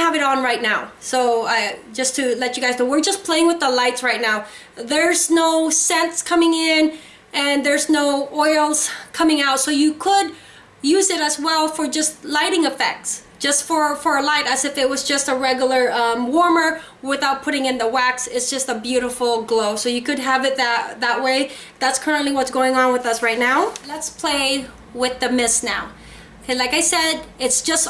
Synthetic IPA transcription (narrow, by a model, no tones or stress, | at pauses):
əvɨɾn̩ɹaɪtⁿnaʊ | soʊʌd͡ʒʌstʰɨlɛt͡ʃɨɡaɪznoʊwɪɹd͡ʒʌspʰl̥eɪɪ̃ŋwɨðəlaɪtsɹaɪtⁿnaʊ | ðə˞znoʊsɛ̃nskʰʌmɪ̃ŋɪ̃n | ʔɨ̃nðə˞znoʊʔɔɪlˠz̥kʰʌmɪ̃ŋaʊtsoʊjɨkʰəd̚ | jʉzɨɾɨzwɛlˠfə˞d͡ʒʌstlaɪɾɪ̃ŋɨfɛ̰k̚tsd̥ʒ̥ʌstfə˞fə˞əlaɪɾɨzɨfɨt̚wʌzd͡ʒʌstəɹɛɡjl̩ˠə˞ʌ̃mwɔɹmə˞ | wɪθaʊt̚pʰʊɾɪ̃ŋɨ̃nðəwæksɪtsd̥ʒ̥ʌstəbjʉɾəfl̩ˠɡloʊsoʊjɨkɨd̚əvɨt̪̚ðɨt̚ðəʔ̚weɪ | ðætskʰɜ˞ɨ̃nʔliwʌtsɡ̥oʊɪ̃ŋə̃nwɨðʌsɹaɪtⁿnaʊlɨtspʰl̥eɪ | wɪðɨmɪsnaʊ | laɪkaɪsɛɾɪtsd̥ʒ̥ʌs